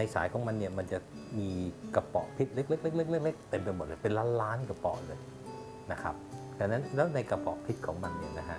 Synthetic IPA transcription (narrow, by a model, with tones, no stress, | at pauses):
na˧jsaː˩˦jkʰɔː˩˦ŋma˧nːi˥˩ɐma˧nt͡ɕa˨˩ʔ | miː˧ka˧pɔ̰˨˩ʔpʰi˦˥t̪̚le˦˥k̚le˦˥k̚le˦˥k̚le˦˥k̚le˦˥k̚le˦˥k̚t̪e˧mpa˧jmo˨˩t̪̚lɤː˧˩pe˧nlaː˦˥nlaː˦˥nka˧˩pɔ̰˨˩ʔlɤː˧j | na˦˥kʰa̰˦˥p̚t̪ʰa˧˩nːa˦˥nlɛː˦˥wna˧jka˧˩pɔ̰˨˩pʰi˦˥t̪̚kʰɔː˩˦ŋma˧nnːi˦˥˩ɐna˦˥kʰa˦˥ʔ